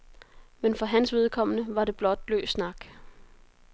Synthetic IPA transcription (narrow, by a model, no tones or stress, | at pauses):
menfɒ̽ɦænsʋe̝ð̞ˠkʰɒ̽m̰ənəʋɑ̈ɾe̝b̥lɒ̽d̥̚lø̰ːsnɑ̈ɡ̥